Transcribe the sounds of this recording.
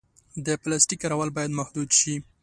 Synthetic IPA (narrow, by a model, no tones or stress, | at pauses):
d̪əplasʈikːaɾawalbɑjad̪mahd̪ud̪ʃi